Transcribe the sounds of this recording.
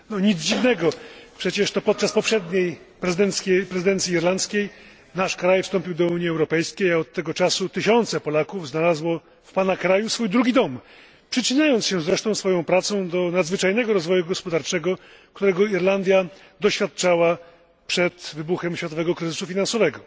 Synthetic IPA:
nɔɲid̪zd͡ʑivnɛɡɔpʂɛt͡ɕɛʂt̪ɔpɔt̪̚t͡ʂaspɔpʂɛd̪ɲej | pɾɛzɨd̪ɛnt̪skʲɛpɾɛzɘd̪ɛnt̪sʲiːɾlant̪skʲej | naʂkɾajfst̪ɔmpʲiwd̪ɔuɲjiɛwɾɔpɛjskʲejaɔt̪ːɛɡɔt͡ʂasut̪ɘɕɔnt̪sɛpɔlakuvznalazwɔ | fpanakɾajusfujd̪ɾuɡʲid̪ɔm | pʂɘt͡ɕiɲajɔnt̪sɕɛzɾɛʂt̪ɔ̃w̃sfɔjɔ̃w̃pɾat̪sɔ̃w̃d̪ɔnad̪zvɘt͡ʂajnɛɡɔɾɔzvɔjuɡɔspɔd̪aɾt͡ʂɛɡɔ | kt̪uɾɛɡɔiɾland̪ʲja | d̪ɔɕfʲjat̪̚t͡ʂawa | pʂɛt̪vɘbuxɛmɕfʲjat̪ɔvɛɡɔkɾɘzɘsufʲinansɔvɛɡɔ

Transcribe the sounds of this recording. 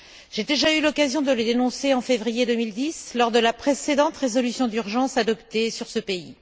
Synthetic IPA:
ʒ̥ed̪eʒaylɔkazjɔ̃d̪ələd̪enɔ̃seɑ̃fevʁijed̪ømild̪islɔʁd̪əlapχesed̪ɑ̃t̪ʁezɔlysjɔ̃d̪yʁʒɑ̃sad̪ɔpt̪esyʁsəpei

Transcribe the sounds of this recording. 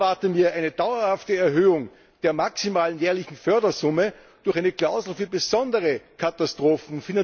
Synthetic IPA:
aɐtəmiːɐʔaɪnəd̥aʊɐhaftəɛɐɦøːʊŋ | d̥eːɐmaksimaːlənjɛːɐlɪçn̩fœɐdɐzʊmə | d̥ʊɐxʔaɪnəklaʊzl̩fyːɐbəz̥ɔndəʁəkʰatastʁ̥oːfn̩fina

